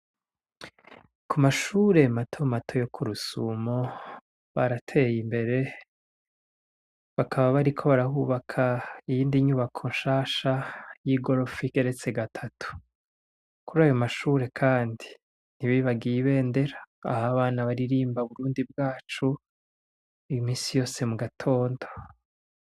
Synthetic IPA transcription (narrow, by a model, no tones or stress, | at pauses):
kumaʃuːɾe̞matʰo̞matʰo̞jo̞kʰuɾusuːmo̞ | βaɾatʰe̞ːjimbe̞ɾe̞ | βakʰaβaβaɾikʰo̞βaɾahuːβakʰaijiːndiɲuβakʰo̞nʃaːʃajiɡo̞ɾofikeɾe̞t͡se̞ɡatʰatʰu̥ | kuɾaːjo̞maʃuːɾe̞kʰaːndi | n̥iβiβaɡiβe̞ːnde̞ɾa̰ːhaβaːnaβaɾiɾiːmbaβuɾuːndibɡaːt͡ʃu | imiːsijo̞ːse̞muɡatʰo̞ːndo